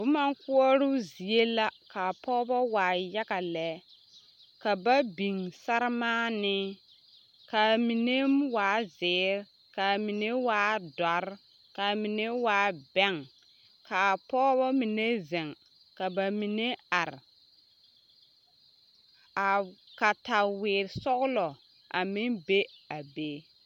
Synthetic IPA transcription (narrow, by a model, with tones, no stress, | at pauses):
bʊ˨˦ma˦ŋku˦ɔ˦ɾʊ˦zi˨e˦la˦ka˨pɔː˦bɔ˦waː˨ja˦ka˨lɛ˦ | ka˨ba˦bi˨ŋsa˦ɾmaː˦nɪ˦ | ka˨mi˨ne˦mwaː˨˦zɪː˨˦ɾ | ka˨mi˨ne˦waː˨˦dɔ˨˦ɾ | ka˨mi˨ne˦waː˨˦bɛ˦˨ŋ | ka˨pɔː˦bɔ˦mi˨ne˦zɛ˨ŋ | ka˨ba˨mi˨ne˦a˨ɾ | a˨ka˨ta˨wɪː˨ɾsɔ˦ɣʊ˦lɔ˨ | ʔa˨mɪ˦ŋbe˦a˨beː˦